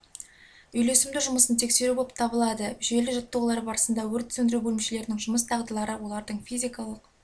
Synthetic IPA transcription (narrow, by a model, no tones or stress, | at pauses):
ʏjle̞sɪmd̪ɪʒʊməsənt̪ʰe̞kse̞ɾuboəp̚t̪ʰɑbəlˠɑd̪əʒe̞lɪʒət̪ːuwlˠɑɾbɑɾəsənd̪ɑwɵɾt̪ʰʏ̥sɵnd̪ɪɾubɵlɪmʃele̞ɾɪnɪŋʒʊməst̪ʰɑʁd̪əlˠɑɾəwo̞lˠɑɾd̪əɴfʲijzʲijkɑlˠəq